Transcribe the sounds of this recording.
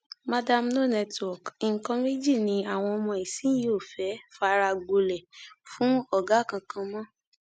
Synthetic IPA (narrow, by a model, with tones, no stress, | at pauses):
ma˧da˧mno˦˨nɛ˧twɔ˨ki˨ŋ̩˨kɔ̃˧me˦d͡ʒi˦˨nĩ˧˦a˦˨w̃ɔ̃˧ɔ˧mɔ̃˧i˨sĩ˨˦jo˦˨fɛ˨˦fa˧ɾa˧ɡ͡bo˧lɛ˨fũ˦ɔ˦˨ɡa˨˦˨kã˧kã˧mɔ̃˦